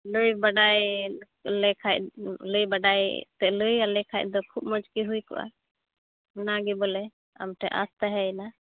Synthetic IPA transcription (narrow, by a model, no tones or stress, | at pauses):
ləjbaɖaj | lɛkʰat̚ləjbaɖajt̪ɛʔləjalɛkʰajt̪̚ˀd̪ɔkʰup̚mɔd͡ʒkiɦujkɔ̰ʔa̰ | naɡɛbɔlɛ | a̰mʈʰɛʔa̰st̪aɦɛna